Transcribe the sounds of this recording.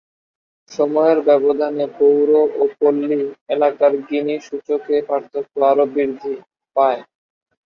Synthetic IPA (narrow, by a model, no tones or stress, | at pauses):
ʃɔmɔeɾbɛbod̪ʱanepowɾoʔokolːielakaɾɡiniʃut͡ɕokepaɾt̪ʰot̪ːoaɾobiɾd̪ʱi | pae